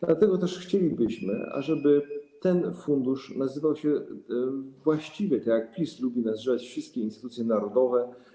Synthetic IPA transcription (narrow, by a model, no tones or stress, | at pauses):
d̪lat̪ɛɡɔt̪ɛʂxt͡ɕelʲibɘɕmɘ̰a̰ʐɛbɘt̪ɛnfund̪uʂnazɘvawɕɛ | vwaɕt͡ɕivɛt̪akʲjak̚plʲislubʲinazʐɛvat͡ɕfʂɨst̪̚kʲɛinst̪ɘt̪ut̪sʲjɛnaɾɔd̪ɔvɛ